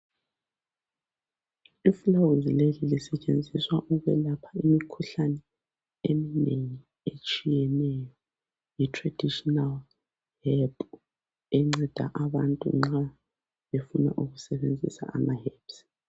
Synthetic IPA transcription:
iflawuzilelilisɛt͡ʃʼend͡zʱiswaʔuβɛlapʰḁimikʰuɬanɛ | emineŋi | et͡ʃʼijɛnɛjɔ | jitʰʼrad̥ʱiʃʼɔnal | hɛlpʰʼ | eŋ͡ǀid̥ʱa̰ʔaβantʼṵŋ͡ǁa | βefuna̰ʔuɣusɛβend͡zʱḭsa̰a̰mahɛps

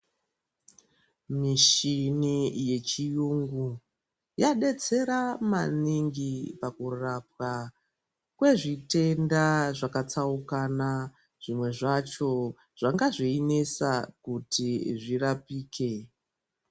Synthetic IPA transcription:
miʃinije̞t͡ʃijuŋɡu | jaɗe̞t͡se̞ɾamaniŋɡipakurap̚ka | kwe̞ʐite̞ndaʐakat͡saukana | ʐ̥imwe̞ʐat͡ʃo̞ | ʐ̥aŋɡaʐiinesakutiʐirapiːke̞

